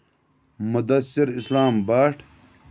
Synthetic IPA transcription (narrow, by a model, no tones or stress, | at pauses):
mud̪ɐsiɾislaːmbaːʈ